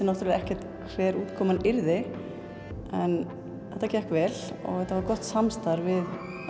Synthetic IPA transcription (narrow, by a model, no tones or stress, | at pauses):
ɪnɔwht̪ɾvɪɛhcɛ̥t̪ | kʰvɛːɾuːt̪kʰɔːmanɪɾðɪ | ɛn | θɛht̪acɛhkvɛːlɔ̰ɣɛht̪ːavaɾkɔht̪samst̪aɾvɪð